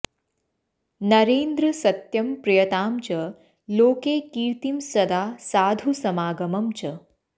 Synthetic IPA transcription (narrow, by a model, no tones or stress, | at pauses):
nɐɾeːnd̪ɾɐsɐt̪jɐmpɾɐjɐt̪aːmt͡ʃɐ | loːkeːkiːɾt̪imsɐd̪aːsaːd̪ʱusɐmaːɡɐmɐmt͡ʃɐ